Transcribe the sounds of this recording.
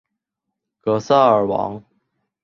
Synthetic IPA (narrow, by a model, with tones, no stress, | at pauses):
kɤ˧˥sa˥˩ə˞˨˩wɑ̰˧˥ŋ